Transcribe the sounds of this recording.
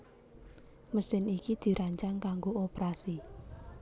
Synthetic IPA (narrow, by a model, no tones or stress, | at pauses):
məsɪnikid̪̥i̤ɾaɲt͡ʃaŋkaŋɡoopɾasi